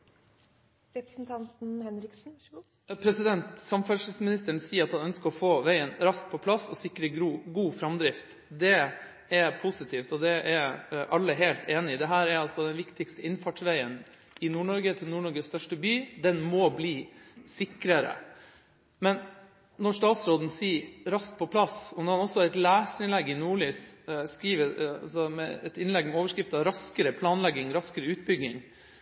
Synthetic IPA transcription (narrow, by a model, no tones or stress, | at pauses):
ɾɛpɾsn̩t̪ʰɑnt̪n̩hɛnɾɪksn̩ | pʰɾɛsɪd̪ɛnt̪sɑmfæʂ̩smɪnɪst̪əɳsiːəɾɑt̪hɑnœnskəɾɔfoːʋæɪənɾɑsk̚pʰɔpʰlɑsɔsɪkːɾəɡɾuːɡuːfɾɑmd̪ɾɪft̪ | d̪ɛ | ɛɾpʰusɪt̪ʰiːft̪ɔd̪ɛʔæɾʔɑlːəɦæɪlt̪ʰeːnɪɪd̪ɛɦæːɾɛɾɑlsɔd̪ɛnʋɪkt̪ɪkst̪əɪnfɑʈʂʋæɪən | ɪnuːɳɔɾɡət̪ʰɪlnuːɳɔɾɡəsst̪œʂʈəbyːd̪ɛnmɔbliːsɪkɾəɾə̰ | mɛn | nɔʂʈɑːt̪sɾoːd̪n̩siːɾɑst̪̚pʰɔpʰlɑsɔmnɔɾhɑnɔsːɔɾɛt̪læːsɪnlɛɡːɪnuːɭyːsskɾiːʋəɑ̰sɔmɛ̰ɛt̪ɪnlɛɡːmɛoːʋəʂkɾɪft̪əɑɾɑskəɾəpʰlɑːnlɛɡːɪŋɾɑskəɾəʉːt̪̚bʏɡnɪŋ